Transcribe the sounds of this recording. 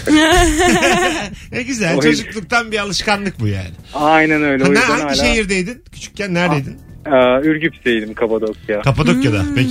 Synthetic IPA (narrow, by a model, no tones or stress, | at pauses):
nɛɟyzælt͡ʃʰod͡ʒuklˠuk̚t̪ʰanbialˠɯʃkanlˠɯk̚buja̰ːnɪajnænøjlʲɛaoj̪ajaiʃejiɾd̪ejd̪incʰy̥t͡ʃʰy̥c̚ʲcʰænːæɾd̪ejd̪inɛyɾɟypsd̪ejd̪imkʰapad̪okjakʰapad̪okjad̪apec